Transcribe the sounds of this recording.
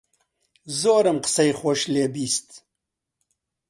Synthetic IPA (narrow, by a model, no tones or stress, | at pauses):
zoːɾəmqə̥sɐjχoʃleːbiːst̪